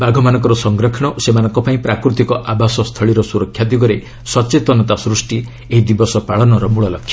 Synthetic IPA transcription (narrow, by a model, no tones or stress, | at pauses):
baɡʱɔmanɔ̃ŋkɔɾɔsɔŋɡɾɔkʰɔɽ̃ɔosemanɔŋkɔpaĩpɾakɾut̪ikɔʔabasɔst̪ʰɔɭiɾɔsuɾɔkʰːjad̪iɡɔɾe | sɔt͡ʃet̪ɔnɔt̪asɾusʈi | eɦid̪ibɔsɔpaɭɔnɔɾɔmuɭɔlɔkʰːjɔ̥